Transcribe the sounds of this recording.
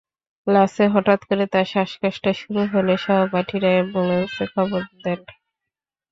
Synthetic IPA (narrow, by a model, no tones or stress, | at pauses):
laseɦɔʈat̪koɾet̪aɾʃaʃkaʃʈaʃuɾuɦoleʃɔɦobaʈʰiɾaeboŋesekʰɔboɾd̪ɛn